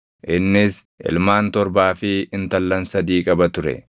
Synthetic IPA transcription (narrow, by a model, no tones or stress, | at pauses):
ʔɪnːɪs | ʔɪ̰lmaːnt̪ɔɾbaːfɪɪnt̪ɐlːɐnsɐd̪iːkʼɐbɐt̪ʊɾɛ̰